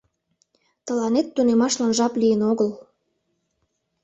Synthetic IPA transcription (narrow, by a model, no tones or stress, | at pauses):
t̪əlɑnet̪ːunemɑʃlɑnʒɑplijənoɣəl